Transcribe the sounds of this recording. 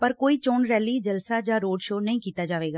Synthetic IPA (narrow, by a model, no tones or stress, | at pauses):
pəɾkoːiːt͡ʃoːnɾɛːliːd͡ʒəlsaːd͡ʒaːɾoːɖʃoːnəĩːkiːt̪aːd͡ʒaːʋeːɡaː